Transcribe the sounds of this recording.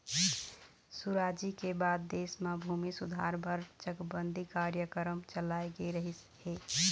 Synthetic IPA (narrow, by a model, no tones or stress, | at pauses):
suɾad͡ʒikebad̪̚ːesmabʱumisud̪ʱaɾbʱəɾt͡ʃəkbənd̪ʱikaɾjəkəɾəmt͡ʃəlaeɡeɾəɦis | he